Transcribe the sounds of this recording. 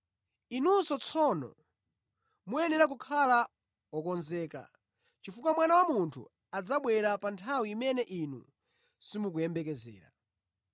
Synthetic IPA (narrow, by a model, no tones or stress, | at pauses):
inunsɔt͡sʰɔnɔ̰ | muɛnɛɾak̬ukʰala | ɔkɔnzɛːka̰ | t͡ʃifukwamwanawamuntʰṵ | ad͡zaɓwɛɾapantʰawiːmɛnɛʔinṵ | simuk̬ujɛmbɛkɛzɛ̰ːɾa̰